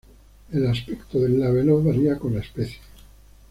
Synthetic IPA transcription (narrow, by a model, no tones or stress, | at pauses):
elaspekt̪oðelːaβeloβaɾiakonlaespeθje̥